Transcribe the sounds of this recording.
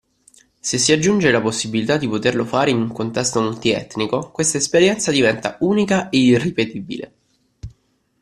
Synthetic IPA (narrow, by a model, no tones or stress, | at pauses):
sesːiad͡ʒːund͡ʒelaposːibilit̪ad̪ːipot̪erlofaːɾeinuŋkont̪ɛst̪omult̪iɛ̰t̪nikokwest̪aespeɾjɛnt̪sad̪ivɛnt̪auːnikaeiripet̪ibḭlḛ